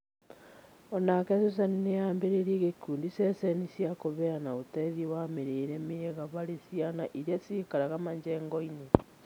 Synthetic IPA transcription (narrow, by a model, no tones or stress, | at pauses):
ɔnakɛsos̬anineambeɾeɾiɣekuːndisɛsɛnisjakoβɛanaotɛðiwameɾeːɾɛmeɣaβaɾesianaʔiɾjasikaɾaɣamaɲd͡ʒɛːŋɡɔine